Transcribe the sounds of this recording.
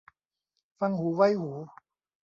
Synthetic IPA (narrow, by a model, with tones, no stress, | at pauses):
fa˧ŋhuː˩˦wa˧˥˩jhuː˩˦